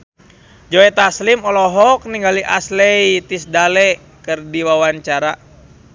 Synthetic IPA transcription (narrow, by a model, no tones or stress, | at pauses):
d͡ʒɔɛt̪aslimɔlɔɦɔk̚niŋɡaliʔaslɛjt̪isdalɛ | kɨrdiwawaɲt͡ʃaɾa